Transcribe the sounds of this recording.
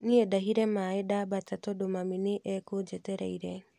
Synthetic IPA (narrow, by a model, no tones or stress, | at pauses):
niedaɦiɾɛmaedabatatɔdomamineʔɛkod͡ʒetɛɾa̰iɾɛ